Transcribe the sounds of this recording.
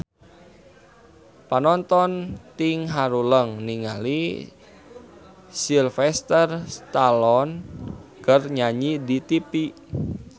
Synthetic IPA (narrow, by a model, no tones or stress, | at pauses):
panɔnt̪ɔnt̪ɪŋɦaɾuləŋniŋa̰li | silfɛst̪ərst̪alɔnkərɲaɲidit̪ipi